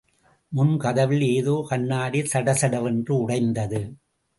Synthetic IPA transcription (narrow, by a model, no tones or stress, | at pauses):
mʊnkɐðɐʋɪleːðoːkɐɳːaːɽisɐɽɐsɐɽɐʋɛndrɯʊɽɐɪnd̪ɐðɯ